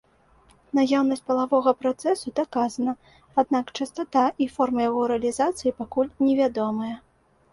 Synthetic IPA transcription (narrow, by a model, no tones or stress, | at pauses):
najawnɐsʲt̚ʲpɐlˠavɔɣɐpɾat̪sɛsud̪akazɐnɐ | ad̪nakt͡ʂɨst̪at̪aʔifɔrmɐjaɣɔɾɛɐlʲizat̪sɨjipakulʲnʲɛvʲad̪ɔmɐjɐ